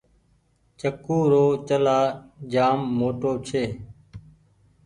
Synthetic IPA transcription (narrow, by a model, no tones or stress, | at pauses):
t͡ʃəkuːɾoːt͡ʃəlaːd͡ʒaːmːoːʈoːt͡ʃʰeː